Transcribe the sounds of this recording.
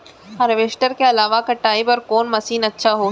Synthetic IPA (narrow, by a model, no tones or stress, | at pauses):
ɐɾʋeːʃʈəɾkeɐlaːʋakɐʈːaːibɔɾkoːnmɐsiːnɐtːʃʰaɦo